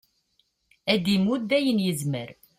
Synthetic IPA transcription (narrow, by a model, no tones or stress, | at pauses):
æd̪imud̪æjənjəzməɾ